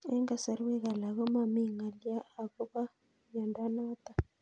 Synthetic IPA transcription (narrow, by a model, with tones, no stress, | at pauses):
ɛ˦ŋɡa˨sa˨ɾwɛ˦ɣa˨la˨ɣɔ˦ma˨mi˦ŋa˨ljaː˦˨βɔ˦ka˦ | ɲa˨nda˦na˦t̪a˨